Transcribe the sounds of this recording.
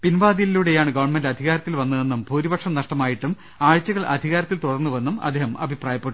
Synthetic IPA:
pinʋaːd̪ilːuɽe̞jaːɳɨɡɐʋɐrɳmendɐd̪ʱiɣaːɾɐt̪ːilʋɐnːuenːumbʱuːɾibɐkʂɐmnɐʂʈɐmaːjiʈːum | aːɻt͡ɕːɐɣɐɭʔɐ̰d̪ʱiɣaːɾɐt̪ːilt̪uɽɐrnːuʋɐnːumɐ̰d̪ːeːɦɐmɐ̰bʱipraːjɐpːeʈːu

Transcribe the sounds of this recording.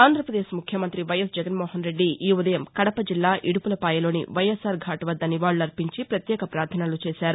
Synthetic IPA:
aːnd̪ʱɾɐpɾɐd̪eːʃmukʰjɐmɐnt̪ɾiʋɐjɐsd͡ʒɐɡɐnmoːɦɐnɾe̞ɖːiʔːud̪ɐjɐmkɐɽɐpɐd͡ʒilːaːʔʔiɽupulɐpaːjɐlo̞ːnḭʋɐjɐsaːɾɡʱaːʈɐʋɐd̪ːɐniʋaːɭːunɐɾpiɲt͡ʃipɾɐt̪jɛːkɐpɾaːɾt̪ʰɐnaːlut͡ʃeːʃaːɾu

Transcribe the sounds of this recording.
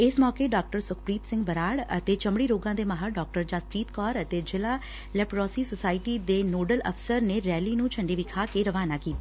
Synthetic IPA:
ɪsmɔːkeːɖɔːk̚ʈəɾsʊkʰpɾiːt̪sɪ̃ŋɡbəɾaːɽə̰t̪eːt͡ʃəmɽiːɾoːɡãːd̪eːmaːɦəɖɔːk̚ʈəɾd͡ʒaːspɾiːt̪kɔːɾət̪eːd͡ʒɪlaː | lɛːpɾɔːsiːsosaːɪʈiːd̪eːnoːɖələ̰pʰsəɾneːɾɛːliːnũːt͡ʃʰəɳɖeːʋɪkʰaːkeːɾəʋaːnaːkiːt̪a

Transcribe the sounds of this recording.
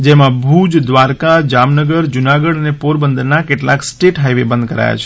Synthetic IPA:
d͡ʒemãbʱud͡ʒd̪ʋaɾkad͡ʒamnəɡəɾd͡ʒunaɡəɽənepoɾbənd̪əɾnakeʈlaksʈeʈɦajʋebə̃nd̪kəɾa̰ja̰t͡ʃʰe̥

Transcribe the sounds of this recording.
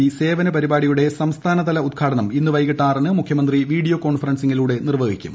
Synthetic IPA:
ise̞ːʋɐnɐpɐɾibaːɽijuɽe̞sɐmst̪ʰaːnɐðɐlɐut̪̚kʰaːɽɐɳɐminːuʋɐjkiʈːaːrnɨmukʰjɐmɐnd̪riʋiːɽijoːko̞ːɳfɐrɐnsiŋːiluːɽe̞nirʋɐːɡikʲːṵm

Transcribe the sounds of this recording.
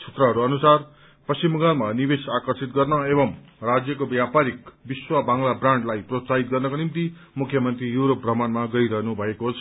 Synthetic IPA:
t͡sʰe̥t̪rʌɦʌɾuʌnusar | pʌsimuɡalmanibesakʌrsit̪ɡʌrnʌebʌmrad͡zjʌkobjapaɾik̚biswabaŋlabraɳɖlajprot̪saɦit̪̚ɡʌrnʌkonimt̪i | mukʰjʌmʌnt̪rijuɾop̚brʌmanmaɡʌiɾʌɦnubʱʌekoɦot͡sʰ

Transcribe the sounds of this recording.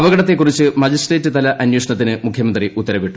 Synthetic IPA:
ɐʋɐɡɐɽɐt̪ːe̞kːurit͡ɕːɨmɐd͡ʑisreːtːɨt̪ɐlɐʔɐnjoʂɐɳɐt̪̬ːinɨmukʰjɐmɐnd̪riut̪ːɐɾɐʋiʈːu

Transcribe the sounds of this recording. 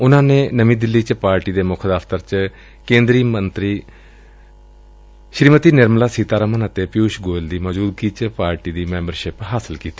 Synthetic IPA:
ʊnãːneːnəmĩːd̪ɪlːiːt͡ʃpaːɾʈiːd̪eːmʊkʰd̪aːft̪əɾt͡ʃ | kẽːnd̪ɾiːmənt̪ɾiː | ʃɾiːmət̪iːnɪɾmlaːsiːt̪aːɾəmənət̪eːpɪjuːʃɡoːld̪iːmɔːd͡ʒuːd̪̚ɡiːt͡ʃpaːɾʈiːd̪iːmɛ̃ːmbəɾʃɪpɦaːsəlkiːt̪i̥ː

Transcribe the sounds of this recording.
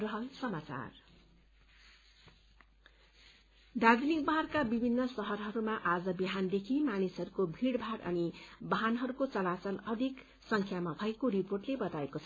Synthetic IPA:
rʌɦʌlsʌmat͡sa̰r | d̪ad̪ilikbʌɦʌrkabibʱinːʌsʌɦʌrɦʌɾumaʔad͡zʌbiɦand̪ekʰimanisɦʌɾukobʱiɽbʱaɽʌ̰nibʌɦanɦʌɾukot͡sʌlat͡sʌlʌd̪ʱik | sʌŋkʰjamabʱʌekoɾiporʈlebʌt̪aekot͡sʰʌ

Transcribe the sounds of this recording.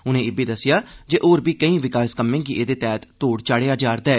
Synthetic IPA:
ʊnẽːɪbiːd̪əsːɪjaːd͡ʒeːʔoːɾbiːkəĩːʋɪkaːskəmːẽːkiʔeːd̪eːt̪ɛːt̪t̪oːɽt͡ʃaːɽeːaːd͡ʒaːɾd̪ɛː

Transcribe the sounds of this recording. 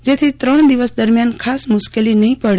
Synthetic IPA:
d͡ʒet̪ʰit̪ɾəɳ̃d̪iʋəsd̪əɾmjankʰasmʊʃkelinəɦĩpəɽe

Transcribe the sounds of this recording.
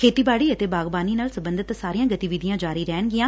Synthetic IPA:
kʰeːt̪iːbaːɽiːət̪eːbaːɡbaːniːnaːlsəbənd̪ət̪saːɾijãːɡət̪iːʋid̪ɪjãːd͡ʒaːɾiːɾɛːɳɡɪjãː

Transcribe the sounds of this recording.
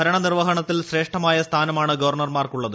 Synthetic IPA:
ɐɾɐɳɐnirʋɐɦɐɳɐt̪ːilɕre̞ːʂʈɐmaːjɐst̪ʰaːnɐmaːɳɨɡɐʋɐrɳɐrmaːrkuɭːɐðɨ

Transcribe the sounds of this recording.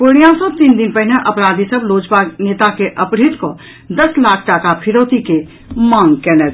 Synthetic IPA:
poɽ̃ijãsɔ̃t̪iːnd̪ɪnpɛɦɪneʔɐpɾaːd̪isɐbloːd͡ʒbʱaːɡneːt̪akeʔɐpɽɪt̪ko | d̪ɐslaːkʰʈaːkapʰɪɾoːt̪ike | mãːŋɡkɛːnɛː

